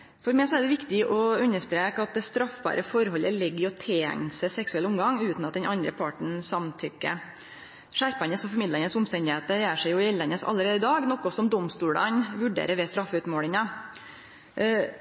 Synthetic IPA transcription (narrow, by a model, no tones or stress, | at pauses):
fɔɾmɛɪsɔæɖɛʋɪkt̪ɪʔɔʉnːəʂt̪ɾeːkɑt̪̚d̪ɛst̪ɾɑfːbɑ̰ːɾʔəfɔɾhɔlːəlɪɡːəɾɔt̪ʰeːŋsəsɛksʉɛləʊmɡɑŋʉːt̪nɑt̪̚d̪ɛnʔɑnd̪ɾəpʰɑʈɳ̩sɑmt̪ʰʏkːə̰ | ʂæɾpɑnəsɔfɔɾmɪd̪lənəsʊmst̪ɛnd̪ɪheːt̪əɾjæːʂɛɪjʊɪɛlːɛnːəsɑ̰lːəɾeːd̪ɪd̪ɑːɡnɔkːɔsɔmd̪ɔmst̪uːlɑ̰nʋʉɖḛːɾəɾʋɛst̪ɾɑfːʉt̪moːlɪŋɑ